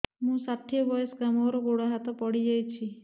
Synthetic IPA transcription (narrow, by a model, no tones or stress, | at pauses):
mũsat̪ʰːiɔbɔjesɡamɔɾɔɡoɽaɦat̪ɔpɔɽid͡ʒajt͡ʃʰi